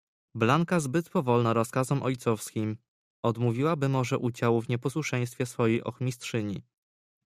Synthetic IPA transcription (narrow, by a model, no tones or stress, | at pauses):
blaŋkazbɘt̪pɔvɔlnaɾɔskazɔmʔɔjt̪sɔfskʲim | ɔd̪muvʲiwabɘmɔʐɛʔud͡ʑawuvɲɛpɔswuʂɛj̃st̪fʲjɛsfɔjejʔɔ̰xmʲistʂɘɲḭ